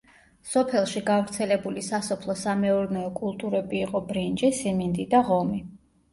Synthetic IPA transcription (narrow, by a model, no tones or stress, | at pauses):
sɔpʰɛlˠʃiɡavɾt̪sʰɛlɛbulisasɔpʰlˠɔsamɛɔɾnɛɔkʼulˠt̪ʼuɾɛbiːqʼɔbɾind͡ʒisimind̪id̪aʁɔmi